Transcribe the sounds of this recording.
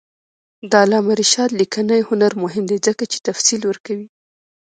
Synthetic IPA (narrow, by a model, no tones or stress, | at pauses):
d̪ɑlɑmaɾiʃɑd̪likanajhʊnaɾmʊɦɪmd̪ezəkat͡ʃe̥t̪afsilwəɾkawi